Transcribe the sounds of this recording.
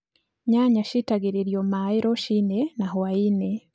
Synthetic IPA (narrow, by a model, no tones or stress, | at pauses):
ɲaɲaʃitaɡiɾiɾjomaiɾoʃinenaɦoajine